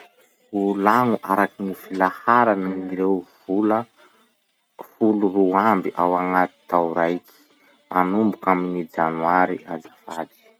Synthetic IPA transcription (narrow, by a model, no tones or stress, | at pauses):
ulaŋuʔaɾakinifilahaɾanaiɾewvulə | fuluruambiʔawaŋat̪i̥t̪awuɾajki̥ | mʔanumbukaminid͡zanwaɾiʔad͡zafad̪i̥